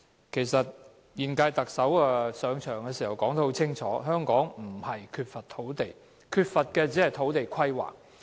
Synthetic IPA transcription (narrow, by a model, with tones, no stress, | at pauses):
kʰe˨˩jsɐ˨t̚ | jiː˨˩nkaː˧jt̪ɐ˨k̚sɐ˨˥waː˧sœː˨˧ŋt͡ʃʰœː˨˩ŋkɛː˧si˨˩hɐ˨˩wkɔː˨˥ŋt̪o˧˥ho˨˥wt͡sʰɪ˥ŋt͡ʃʰɔ̰ː˨˥ɦœː˥ŋkɔː˨˥ŋm̩˨˩hɐ˨˩jkʰyː˧t̚fɐ˨t̪ʰːo˨˥wt̪e˨˩j | kʰyː˧t̚fɐ˨t̚kɛː˧t͡siː˨˥hɐ˨jt̪ʰo˨˥wt̪e˨jkʰɐ˥jwa̰ː˨˩k̚